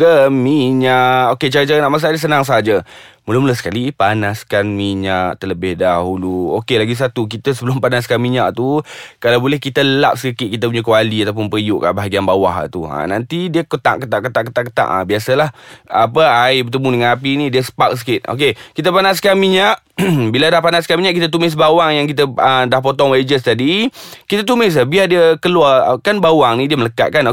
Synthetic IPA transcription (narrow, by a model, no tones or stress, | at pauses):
əmiɲaʔʔoket͡ʃaɾət͡ʃaɾənaʔmas̬adəs̬ənaŋs̬aɦad͡ʒəmulamulasə̥kalipanaskanmiɲaʔt̪ələbɪhdaɦuluo̰kelaɡis̬at̪uk̬it̪əsəbəlʊmpanaskanmiɲa̰ʔt̪ukalawbolɛhkit̪əəlap̚səkəkɪʔ̪̚kit̪̬əp̬uɲək̬əwaliat̪awp̬ʊnpəijʊʔka̰baɦaɡianbawaɦt̪ua̰nant̪idiəkət̪a̰ʔkət̪aʔkət̪aʔkət̪aʔkːət̪a̰ʔa̰biasəlahapəajbət̪əmudəŋanap̬inĩdiəsə̥pak̚s̬ə̥kɪt̪̚o̰k̬ekit̪̬əpanaskanmiɲaʔ | biladahpanaskanmiɲaʔkit̪ət̪̬umɪs̬bawaŋjaŋkit̪əədahpot̪ɔŋwad͡ʒəst̪adikit̪ət̪umɪs̬abiadiəkəluakanbawaŋnidiəmələka̰ʔ̚kano